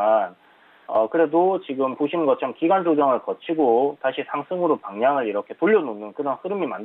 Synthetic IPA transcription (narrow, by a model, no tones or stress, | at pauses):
an | ʌkɯɾe̞dot͡ɕiɡɯmpoɕʰinɡʌt͡ɕʰʌmkiɡand͡ʑod͡ʑʌŋɯɭkʌt͡ɕʰiɡotaɕʰisʰaŋsʰɯŋɯɾopaŋɲaŋɯɾiɾʌkʰe̞toʎːʌnonɯnkɯɾʌnɸɯɾɯmimand